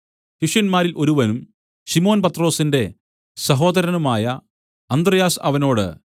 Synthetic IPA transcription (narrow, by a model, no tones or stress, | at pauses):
ɕiʂjɐnmaːɾilʔo̞ɾuʋɐnum | ɕimo̞ːnpɐt̪ːro̞ːsinde̞ | sɐɦo̞ːd̪ɐɾɐnumaːjɐ | ɐnd̪rɐjaːsɐ̰ʋɐno̞ːɽɨ̰